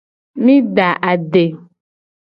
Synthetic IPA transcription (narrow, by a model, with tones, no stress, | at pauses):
mĩ˦ɖa˨ʔa˨ɖe˨